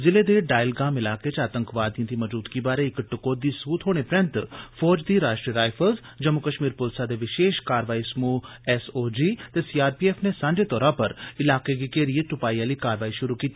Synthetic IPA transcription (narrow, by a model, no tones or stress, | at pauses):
zɪleːd̪eːɖaːɪlɡaːmɪlaːket͡ʃaːt̪ə̃ŋkʋaːd̪ijãd̪iːməd͡ʒuːd̪ɡibaːɾeɪkʈʊkoːd̪iːsuːt̪ɦoːɽ̃epɾɛ̃nt̪pʰɔːd͡ʒd̪iːɾaːʃʈɾiəɾaːjpʰəlz | d͡ʒəmʊkəʃmiːɾpʊlsad̪eːʋɪʃeːʃkaːɾʋaːismuːɛsoːd͡ʒiːt̪eːsiːaːɾpiːɛːpʰnesãːɲd͡ʒet̪ɔːɾapəɾɪlaːkeɡiːkeːɾieʈʊpaːiːaːliːkaːɾʋaːiʃʊɾuːkiːt̪ːiː